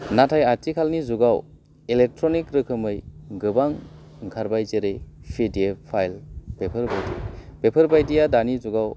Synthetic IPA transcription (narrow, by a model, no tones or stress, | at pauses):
natʰajatikʰalnizuɡaw | ilek̚tʰɾɔnikɾɯkʰɯmɯjɡɯbaŋ | ɡʰʱaɾbajzeɾɯjpʰidepʰajlb̥epʰɯɾbajdib̥epʰɯɾbajdijadanizuɡaw